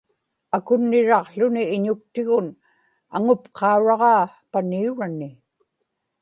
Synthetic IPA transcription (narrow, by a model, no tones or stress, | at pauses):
akʊnːɪɻɑqɬʊnɪːɲʊk̚t̪ɪɣʊn | a̰ŋʊpqʰɑuɻɑʁɑː | paniuɻanːɪ